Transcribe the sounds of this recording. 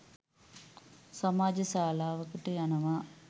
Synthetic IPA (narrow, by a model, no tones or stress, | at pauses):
sɐmaːd͡ʒɐsaːlaːʋɐkːiʈːɯjɐnɐmaː